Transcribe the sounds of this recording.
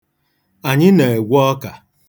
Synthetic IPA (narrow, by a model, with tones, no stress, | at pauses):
a˨ɲɪ˦ne˨e˨ɡʷɔ˦ka˨